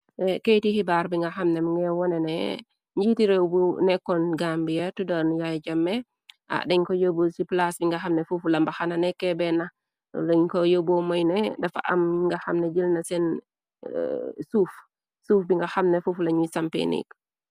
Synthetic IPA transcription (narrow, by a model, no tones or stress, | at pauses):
ɛkejtihibaɾbiŋɡɐxamnɛmŋɡɛwɔnɛnɛ̰ | ɲɟitiɾewbunɛkːɔnɡambijatudanujajd͡ʒɐmːɛ | ʔa̰dɛɲkɔjobusiplasbiŋɡɐxamnɛfufulambaxananɛkːɛbɛnɐ | lɛɲkɔjobɔmɔjnɛdɐfa̰ʔa̰mŋɡaxamnɛd͡ʒilnɐsɛn̰ | suːf | suːfbiŋɡɐxamnɛfuflaɲusampḛnḭk